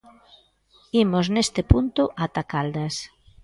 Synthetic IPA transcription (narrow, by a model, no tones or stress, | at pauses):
imoznest̪ɪpunt̪ʊʔat̪akald̪as